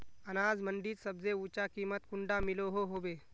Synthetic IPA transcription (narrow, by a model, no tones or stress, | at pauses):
ɐnaːd͡zmə̃ɳɖiːt̪səbzeuːt͡ʃakiːmət̪̚kʊɳɖamɪloɦoɦoːbeː